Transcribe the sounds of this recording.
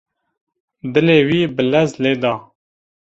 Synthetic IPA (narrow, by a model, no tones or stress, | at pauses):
d̪ɨleːwiːbəlɛzleːd̪ɑː